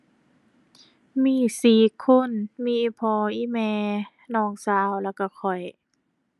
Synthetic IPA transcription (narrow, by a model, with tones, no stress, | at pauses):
miː˧˥˨siː˨˩kʰo˧˥˨nmiː˧˨ʔi˧˩pʰɔː˧ʔiː˧˨mɛː˧ | nɔː˧˩˨ŋsaː˧˦˨wla˧˩wka˧˩kʰɔ˨˩j